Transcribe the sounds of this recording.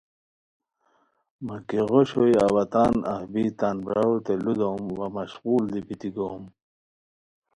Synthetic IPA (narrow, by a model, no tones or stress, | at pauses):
makiɣoɕojawat̪aːna̰hbit̪aːnbawt̪elud̪omwamɐɕɣuːld̪ibit̪iɡom